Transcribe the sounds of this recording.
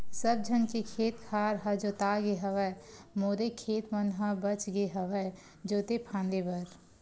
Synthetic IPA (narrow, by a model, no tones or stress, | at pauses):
səb̚d͡ʒʱənkekʰeːt̪kʰaːɾɦɐd͡ʒoːt̪aːɡeɦəʋəmoːɾekʰeːt̪mənɦãbət͡ʃɡeɦəʋə | d͡ʒoːt̪epʰãːnd̪ebəɾ